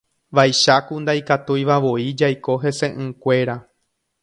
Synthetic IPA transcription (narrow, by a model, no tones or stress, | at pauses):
ʋajʃakund̪ajkat̪ujʋaʋo̞id͡ʒajko̞ɦe̞se̞ʔɨ̃kʷe̞ɾa